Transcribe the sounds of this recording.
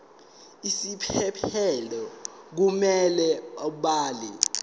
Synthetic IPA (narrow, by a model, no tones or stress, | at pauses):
isipʰɛpʰɛlɔ | k̬umɛlɛouɓaːli